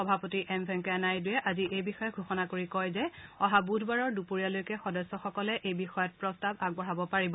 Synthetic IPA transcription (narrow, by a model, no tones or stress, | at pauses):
xɔbʱapotiʔɛmbʱɛŋkɔanajdʊjɛʔaziʔejbixɔjɔɡʱuxɔnakoɹikɔjzɛɔɦabudʱbaɹɔɹdupoɹijalojkɛxɔdɔsɔxɔkɔlɛʔejbixɔjɔt̚pɹɔstabaɡ̚bɔɹabɔpaɹibɔ